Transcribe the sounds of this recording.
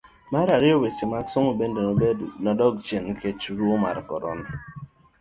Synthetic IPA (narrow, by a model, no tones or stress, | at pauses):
maɾaɾiowet͡ʃemaksɔŋoben̩dɪnɔdɔɡt͡ʃenŋ̩ket͡ʃuɾuoma̰ɾɪ̰kɔ̰ɾɔ̰nɔ